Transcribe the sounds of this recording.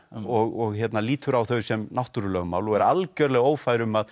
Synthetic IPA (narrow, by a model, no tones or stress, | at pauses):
ɔɣɔɣçjɛt̪naliːt̪ʏɾawθœɥsɛmnawht̪uɾʏlœːɣʏma̰wlɔɣɛɾalcœɾlɛɣoːwfajɾʏmað